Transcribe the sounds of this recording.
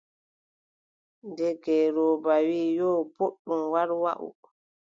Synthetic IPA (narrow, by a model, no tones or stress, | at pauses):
ndɛɡɛɾɔːbawiːjɔːboɗːumwaɾwa̰ʔṵ